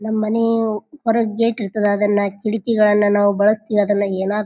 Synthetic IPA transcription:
nɐmːɐːɐnepɐɾɐɡeːʈiɾt̪ːɐd̪eɐd̪ɐnːɐkiɽikɛɡɐɭɐnːɐnaːʋubɐɭɐst̪iʋiɐd̪ɐnːɐeːnaː

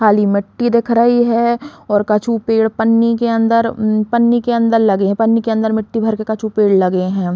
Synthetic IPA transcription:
kʰaːlimɪʈːid̪eːkʰɾəɦiɦɛɔːɾkɐt͡ʃʰupeːɽpɐnːikeɐ̃nd̪əɾpɐnːikeɐ̃nd̪əɾlɐɡeɦɛ̃pɐnːikeɐ̃nd̪əɾmɪʈːibʱɐɾkekɐt͡ʃʰupeːɽlɐɡeɦɛ̃ː

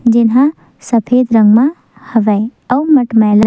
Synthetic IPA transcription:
d͡ʒɪnɦã | səpʰeːd̪ɾə̃ŋɡmã | hɐʋəɐwmɐʈmal

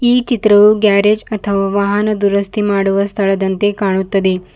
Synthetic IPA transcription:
iːt͡ʃit̪ɾəʋuɡæɾed͡ʒɐt̪ʰəʋaʋaɦanəd̪uɾəst̪ʰimaɽʋəst̪ʰəɭəd̪ɐnt̪ekaɳ̃ut̪ːəd̪i

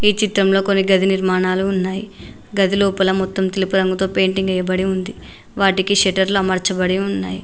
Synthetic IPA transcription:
iːt͡ʃit̪ɾɐmlo̞ːkonːiɡɐd̪ʱiniɾmaːɳaːluːnːaːji | ɡɐd̪ʱiloːpɐlɐmɔt̪ːɐmt̪elipuɾɐŋɡut̪o̞ːpe̞ːɳʈiŋɡɐjːɐbɐɽiund̪i | ʋaːʈikiʃɛʈɐɾluɐmɐɾt͡ʃɐbɐɽiunːa̰ːji

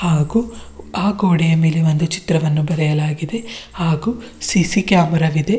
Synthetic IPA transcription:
haːɡuːaːɡo̞ːɽijɐme̞ːleʋond̪ut͡ʃi̥t̪ɾɐʋɐnːubɐɾɛjɐlaːɡid̪e̞haːɡuː | sisikjaːmɐɾɐʋid̪e̞

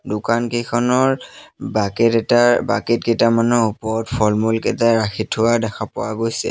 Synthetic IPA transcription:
dʊkankejkʰɔnɔɹbakɛtɛtaba̰ket̚kɛtamanuupɔɹɔtpʰɔɹmulkɛtaɹaxitʰʊadɛxʰapʊwaɡojsɛ̰

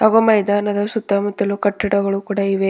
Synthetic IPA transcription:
ɐɡomɐjd̪aːnɐd̪ɐsut̪ːɐmut̪ːɐlukɐʈːɐɽɐɡɐɭukuːɽɐiʋe

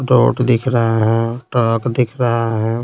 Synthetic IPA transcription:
ɖo̰ːʈd̪ɪkʰɾɐɦaɦɛ̃ʈɔːkd̪ɪkʰɾɐɦaɦɛ̃

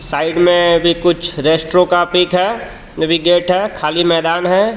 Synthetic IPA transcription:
saːɪɖmẽbʱikʊt͡ʃʰɾeːsʈɾokapiːkɦɛː | nəʋiɡeːʈɦɛːkʰaːlimɛːd̪aːnɦɛ

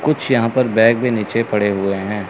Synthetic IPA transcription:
kʊt͡ʃʰjɐɦãpɐɾbɛ̃ːɡ̚bẽniːt͡ʃepɐɽeɦʊeɦɛ̃ː

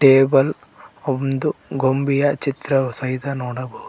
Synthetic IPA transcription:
ʈeːbɐl | omd̪uɡombijɐt͡ʃit̪ɾɐsɐjid̪ɐnoːɽɐbɐɦu

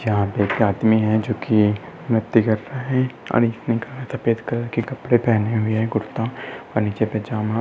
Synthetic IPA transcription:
jɐɦãpekjaːd̪miɦɛd͡ʒoːki | mʊt̪ːikɐɾːaɦɛ̃ɐ̰ɽiːsnɦĩkɐɾːasɐfeːd̪kɐɾkikɐpɽepɛɦneɦʊiɦɛɡʊɾt̪ãɔɾniːt͡ʃeped͡ʒaːmã

